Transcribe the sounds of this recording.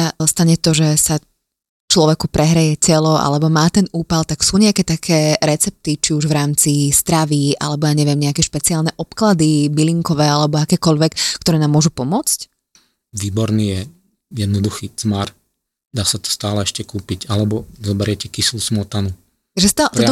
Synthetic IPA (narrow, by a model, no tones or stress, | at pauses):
ast̪aɲɛt̪ɔʒɛsa | t͡ʃlɔʋɛkupɾɛɦɾajɛcɛlɔʔa̰lɛbɔmaːt̪ɛnuːpalt̪aksuːɲɛakɛt̪akʰɛːɾɛt͡sɛp̚t̪it͡ʃiuʒʋɾaːmt͡sist̪ɾaʋiʔa̰lɛbɔjaːɲɛʋɪɛmɲɛakɛʃpɛt͡siaːlnɛʔɔpklad̪ibiliŋkɔʋɛːalɛbɔakɛːkɔʎʋɛkkːt̪ɔɾɛːnaːmːʊɔʒupɔmʊɔt͡sc | ʋiːbɔɾniːjɛ | jɛd̪nɔd̪uxiːt͡smaɾ | d̪aːsat̪ɔ̥st̪aːlɛɛʃcɛkuːpicalɛbɔzɔbɛɾɪɛcɛkislusmɔt̪anu | aʒɛst̪alt̪ɔɔ